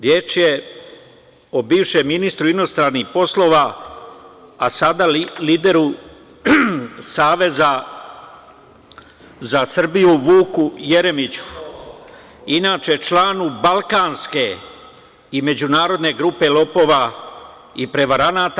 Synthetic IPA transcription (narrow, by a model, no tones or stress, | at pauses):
ɾje̞ːt͡ʃje | obiːʋʃemːinist̪ɾuino̞st̪ɾaːnixpo̞slˠo̞ʋa | asad̪aliːd̪e̞ɾu | saːʋe̞za | zasr̩bijuʋuːkuje̞ɾe̞mit͡ɕu̥ | inaːt͡ʃe̞t͡ʃlaːnubalˠkaːnske̞ | ime̞d͡ʑunaːɾo̞d̪ne̞ɡɾupe̞lo̞po̞ːʋa | ipɾe̞ʋaɾanaːt̪a